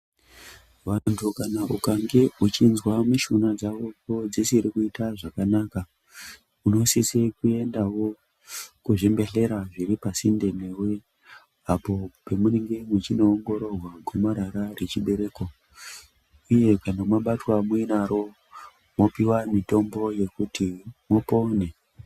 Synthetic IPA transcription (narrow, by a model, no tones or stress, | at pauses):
ʋantʰukanaʔukaŋɡe̞ut͡ʃinzwamiʃunad͡zawo̞kod͡zisiɾikuitaʐakanaka | uno̞sisekue̞ndawo̞ | kuʐembe̞ɬe̞ɾaʐiɾipasinde̞newe | apo̞pemuneŋɡe̞mut͡ʃino̞ːŋɡo̞ɾo̞rwaɡʱomaɾaɾare̞t͡ʃiɓe̞ɾe̞ːko̞ | uje̞kanomwaɓatwamuinaɾo̞ | mo̞piwamito̞mbo̞je̞kutimopo̞ːne